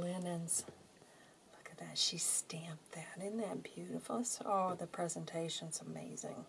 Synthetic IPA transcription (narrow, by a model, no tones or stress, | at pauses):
lɪnɨ̃nz̥ | lʊkɨt̪̚ðɨtʃistæ̃mp̚ðɨɾɨ̃nðɨt̚b̥jʉɾɨfl̩ˠəstɔlˠðɨpʰɹ̥ɛzə̃ntʰeɪʃɨ̃nz̥əmḛɪzɪ̰̃ŋ